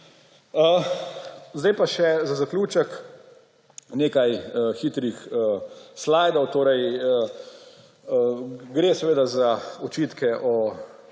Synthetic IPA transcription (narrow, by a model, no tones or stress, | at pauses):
ə | zd̪ɛjpaʃɛzazaklʲuːt͡ʃək | neːkajxiːt̪ɾixəslaːjd̪ɔwt̪oːɾɛjə | ɡɾeːsɛʋeːd̪azaɔt͡ʃiːt̪kʰɛʔɔ